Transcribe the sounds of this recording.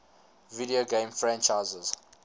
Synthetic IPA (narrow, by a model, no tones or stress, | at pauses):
vidioɡẽmfɹɛ̃nt͡ʃaɪzəz